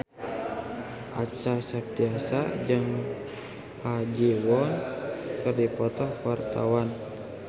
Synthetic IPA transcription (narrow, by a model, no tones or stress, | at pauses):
ʔat͡ʃasap̚t̪iasad͡ʒəŋ | pad͡ʒiwɔnkərdipɔt̪ɔhwart̪awan